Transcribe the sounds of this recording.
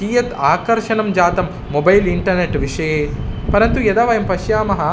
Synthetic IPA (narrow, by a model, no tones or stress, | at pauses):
iːjɐt̪aːkɐɾʃɐnɐmd͡ʒaːt̪ɐmːobɐjliɳʈɐɾneʈʋiʂɐjeːpɐɾɐnt̪ujɐd̪aːʋɐjɐmpɐʃjaːmɐɦɐ̆